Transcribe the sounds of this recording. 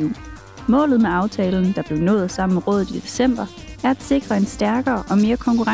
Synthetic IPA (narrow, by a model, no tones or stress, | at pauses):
mɔ̰̽ːlð̞̩ˠmeɑ̈ʊt͡sʰɛːln̩d̥ɑ̈b̥le̝ʊnɔ̽ːð̩ˠsɑ̈m̰n̩ʁɔ̽ːðð̩ˠid̥e̝sem̰b̥ɐ | æɐæd̥se̝ɡ̥ʁɐe̝nsd̥æɐɡ̥ɐːʔɒ̽me̝ːɐkʰɒ̽ŋkʰuʁɑ